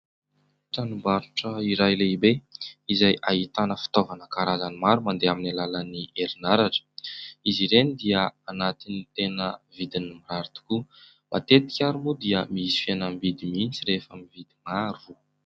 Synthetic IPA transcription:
ʈ͡ʂanumbaɾuʈ͡ʂəiɾajleibeizajʔaɦit̪anəfi̥t̪ovanəkaɾazanimaɾumand̪eaminalalanieɾinaɾaʈ͡ʂə̥iziɾenid̪iəanat̪init̪enəvid̪inimiɾaɾit̪u̥ku | mat̪et̪i̥kʲaɾumud̪iəmisi̥fianamivid̪imint͡siɾefamivid̪imaɾu

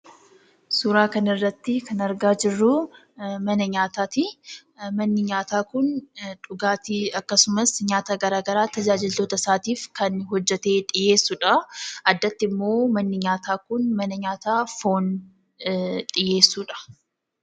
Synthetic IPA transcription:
suɾaːkɐnɪrːɐt̪ːɪkɐnɐɾɡaːd͡ʒɪrːʊ | mɐnɐɲaːt̪aːt̪ɪ | mɐnːɪɲaːt̪aːkʊnᶑʊɡaːt̪ɪɐkːɐsʊmɐsɲaːt̪aːɡɐɾaːɡɐɾaːt̪ɐd͡ʒaːd͡ʒɪlt̪o̞ːt̪ɐsaːt̪iːfkɐnɦɔd͡ʒːɛt̪e̞ːᶑɪje̞ːsːuːᶑɐɐd̪ːɐt̪ːɪmːo̞ːmɐnːɪɲaːt̪aːkʊnmɐnɐɲaːt̪aːfo̞ːn | ᶑʼɪje̞ːsːuːᶑɐ̥

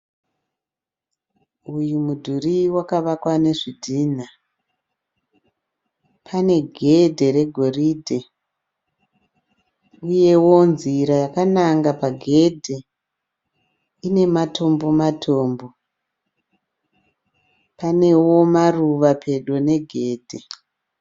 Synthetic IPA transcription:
ujumudʱuriwakaʋakwane̞ʐidʱiːn̤a | pʰane̞ɡʱe̞dʱe̞ɾe̞ɡʱo̞ridʱe | uje̞wo̞nziɾajakanaŋɡapaɡʱe̞dʱe | ine̞matʰo̞mbo̞matʰo̞ːmbo̞ | pane̞wo̞maruʋapʰe̞ɗone̞ɡʱe̞ːdʱe̞

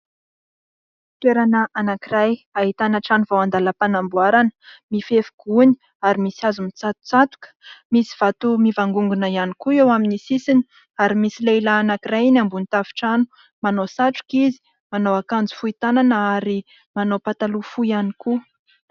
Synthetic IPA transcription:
i̥t̪weɾanəʔanakirajaɦit̪anəʈ͡ʂanuvawand̪aləpanambuaɾanə̥mifefu̥ɡ̥uni̥ | aɾimisiazumit͡sat̪u̥t͡sat̪u̥kə̥misi̥v̥at̪umivaŋɡuŋɡunəianikuewaminisisini̥ | aɾimisileilaːnakirajinambunit̪afi̥ʈ͡ʂanu̥ | manosaʈ͡ʂu̥kizi̥ | manowakand͡zu̥fuit̪ananəaɾi | manopat̪alufuianiku

